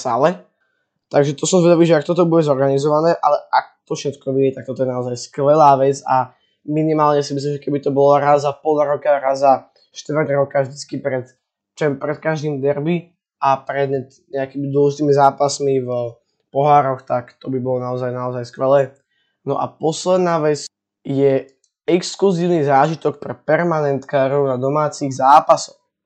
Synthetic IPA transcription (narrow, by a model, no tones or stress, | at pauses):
sa̰lɛ | t̪aɡʒɛt̪ɔsɔmzʋɛd̪aʋiːʒɛak̚t̪ɔt̪ɔbuɟɛzɔɾɡanizɔʋanɛːʔa̰lɛʔak̚t̪ɔfʃɛt̪kɔʋiɛt̪ak̚t̪ɔt̪̬ɔjɛnaɔzajskʋɛlaːʋɛd͡za | minimaːlɲɛsimis̬limʒɛkɛbit̪ɔbɔlaɾazapɔlɾɔkaɾaza | ʃt̪ʋrdɾɔkaʒd̪it͡skipɾɛt̪ | t͡ʃɛmpɾɛt̪kaʒd̪iːmid̪ɛɾbi | apɾɛd̪ɲɛt̪ | ɲɛakimid̪ʊɔlʒit̪iːmizaːpasmiv | pɔɦaːɾɔxt̪akt̪ɔbibɔlɔnaɔzajnaɔzajskʋɛlɛː | nɔ̰ʔa̰pɔslɛd̪naːʋɛt͡s | jɛ | ɛkskluziːʊnizaːʒit̪ɔk̚pɾɛpɛɾmanɛnt̪kaːɾɔʊnad̪ɔmaːt͡siɣzaːpasɔx